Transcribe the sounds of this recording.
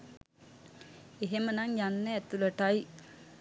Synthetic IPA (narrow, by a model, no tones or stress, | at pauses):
eɦemənaŋjanːəːt̪uləʈaj